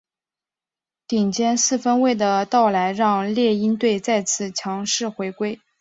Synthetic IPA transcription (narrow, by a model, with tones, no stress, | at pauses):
t̪i˨˩ŋt͡ɕjɛ˥nsɹ̩˥˩fə˥nwe˥˩ɪd̪ə˩t̪ɑ˥˩ʊla˧˥ɪɻɑ˥˧ŋljɛ˥˩i˥nt̪we˥˧ɪt͡sa˥˧ɪt͡sʰɹ̩˥˩t͡ɕʰjɑ˧˥ŋʂɻ̩˥˩xwe˧˥ɪkwe˥ɪ